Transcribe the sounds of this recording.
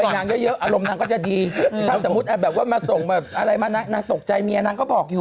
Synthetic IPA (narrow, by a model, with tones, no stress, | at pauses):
a˧jnaː˧˥mjɤ˦˥jɤ˦˥ʔʔaː˧ɾo˧mnaː˧kɔː˥˩t͡ɕa˨˩diː˧aː˥˩so˩˦mu˦˥t̪̚ʔa˧˩bɛː˨˩p̚waː˥˩maː˧so˨˩ŋbɛː˨˩p̚ʔa˧ɾa˧jmaː˧na˦˥knaː˧ŋt̪o˨˩k̚t͡ɕa˧jmiː˧ʔa˧naː˧ŋkɔː˥˩bɔː˨˩k̚juː˨˩